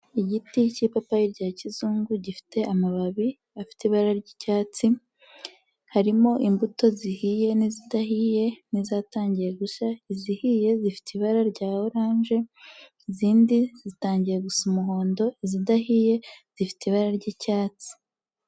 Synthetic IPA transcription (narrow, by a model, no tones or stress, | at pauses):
iɟiticipapajiɾɟaːcizuːŋɡuɟifi̥te̞amaβaβi | afi̥teβaɾaɾɟicaːt͡si | haɾimo̞ʔimbuto̞zihije̞nizidahije̞nizaːtaːɲɟije̞ɡuʃaizihije̞zifi̥tiβaɾaɾɟaːoɾaːnʒe̞ | iziːndizitaːɲɟijeɡusumuɦo̞ːndo̞izidahije̞z̥ifi̥teiβaɾaɾɟicaːt͡si̥